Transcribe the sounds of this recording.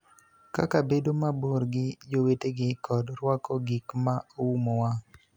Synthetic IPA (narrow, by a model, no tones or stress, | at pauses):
ka̰kabedomaboɾɡɪd͡ʒoweteɡɪkʰɔdɾwakɔɡikmaowumowa